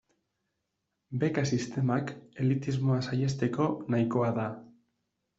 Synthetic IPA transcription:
be̞kasist̪e̞make̞lit̪izmo̞asaje̞st̪e̞ko̞najko̞aða

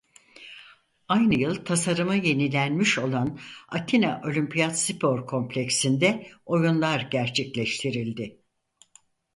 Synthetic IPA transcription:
ajnɯjɯlˠt̪ʰasaɾɯmɯje̞nilʲænmiʃo̞lˠana̰t̪ʰinaʔo̞lʲympʰijat̪sipʰo̞ɾkʰo̞mplʲecsind̪ɛo̞junlˠaɾɟæɾt͡ʃʰɛclʲɛʃt̪ʰiɾilʲd̪ɪ

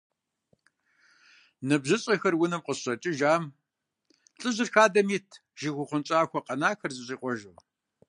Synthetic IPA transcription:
nɨbʑɪɕʼɐxɐrwʊnɨmqəsɕʼɐt͡ʃʼɪʒaːm | ɬʼɨʑɪrxaːdɐmiːtʰ | ʒ̥ɪxʷʊχʷʊnt͡ʃʼaːxʷɔqʼɐnaːxɐrzɨɕʼiːqʷɔʒɨw

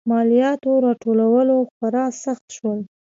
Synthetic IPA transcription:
mɑlijɑt̪oɾɑʈolawəloxwaɾɑsaxt̪ʃwəl

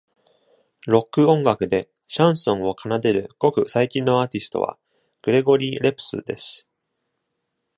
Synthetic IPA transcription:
ɾo̞kːɯ̟õ̞ŋɡakɯ̟d̪e̞ | ɕãɰ̃sõ̞ɰ̃o̞kʰanad̪e̞ɾɯ̟ɡ̥o̞kɯ̟saikʲĩnːo̞aːt̪ʲisɨ̥t̪o̞̰βa̰ | ɡ̥ɯ̟ɾe̞ɡo̞ɾʲiːɾe̞pɯ̥sɨ̰d̪e̞sɨ̥

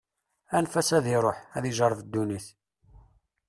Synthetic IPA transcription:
ænfæsæðiɾˤoħæðiʒəɾˤvd̪ːuniθ

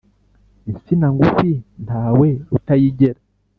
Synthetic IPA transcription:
isinaŋɡufintaːwe̞ɾutajiɟeɾa

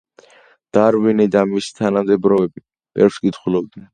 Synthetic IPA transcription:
d̪̥aɾwinid̪amisi̥t̪ʰanamd̪ɛbɾɔɛbi | b̥ɛɾfskʼit̪ʰχulɔb̚d̪nɛn

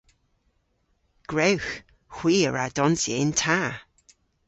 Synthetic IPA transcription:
ɡ̥ɹewx | xw̥iːəɹadɔnsjḛntʰaː

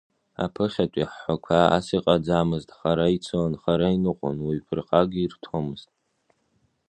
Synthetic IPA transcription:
a̰pʰɨχʲatʷʼiħːʷakʷʰaa̰siqʼad͡zamɨztʼχaɾait͡sʰoanχaɾainɨqʷʼʊ̰nwipʰɨrqʼaɡʲirtʰomɨztʼ

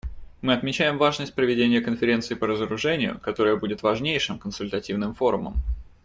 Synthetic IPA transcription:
mɨɐt̪mʲɪt͡ɕæjɪmvaʐnəsʲt̚ʲpɾəvʲɪdʲenʲɪjəkənfʲɪɾʲe̞nt̪sɨɪpəɾəzəɾʊʐɛnʲɪjʊ̰kɐt̪o̞ɾəjəbudʲɪt̪vɐʐnʲejʂɨmkənsʊlʲt̪ɐtʲivnɨmfo̞ɾʊmə̰m

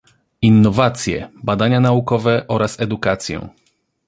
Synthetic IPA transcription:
inːɔvat̪sʲjɛ̰bad̪aɲanaukɔvɛʔɔɾʔasɛd̪ukat̪sʲjɛ̰̃

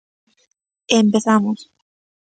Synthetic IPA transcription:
empeθamos

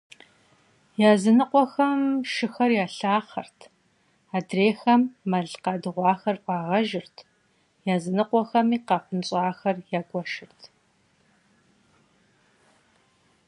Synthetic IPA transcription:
jaːzɨnɨqʷɔxɐmʃɨxɐrjaːɬaːχɐ̰rtʰ | aːdreːxɐmːɐɮqɑːdɨʁʷɑːxɐrpʷʼɑːʁɐʒɪrtʰ | jaːzɨnɨqʷɔxɐmiːqɑːχʷʊnɕʼɑːxɐrjaːɡʷɔʃɪrtʰ

